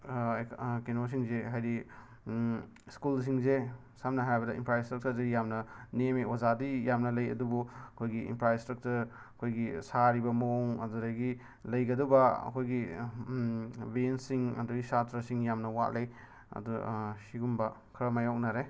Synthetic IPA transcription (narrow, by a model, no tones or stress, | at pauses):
kenos̬iŋzeɦajdi | skuls̬iŋze | samnɐɦajbɐdɐḭmpɾajstɾɐk̚tɐɾzijamnɐniemeʔwazadijamnɐlɐjɐ̰dubuɐkʰojɡiḭmpɾajstɾɐk̚tɐɾ | ɐkʰojɡisaɾibɐmoŋɐ̰duɾajɡi | lɐjɡɐdubɐɐ̰kʰojɡi | bensiŋɐ̰duɡisatɾɐsiŋjamnɐwa̰ʔlej | ɐ̰dusiɡumbɐkʰɾɐmajɔk̚naɾe